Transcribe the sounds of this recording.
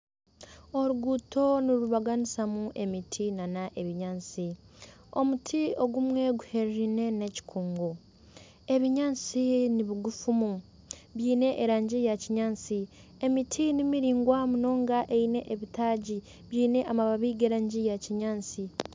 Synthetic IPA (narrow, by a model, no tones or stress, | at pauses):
o̞ɾuɡutʰo̞niɾuβaɡanisamuʔe̞mitʰinanaʔe̞βiɲaːnt͡sio̰mutʰio̞ɡumwe̞ɡuhe̞ɾeɾine̞ne̞ci̥kʰuːŋɡo | e̞βiɲaːnt͡siniβiɡufumu | βjiːne̞ʔːɾaːɲɟijaciɲaːnt͡siemitʰinimiɾiːŋɡwamuno̞ːŋɡaʔe̞ine̞ʔeβitaːɟi | βjiːne̞ʔamaβaβiːɡeɾaːɲɟijaciɲaːnt͡si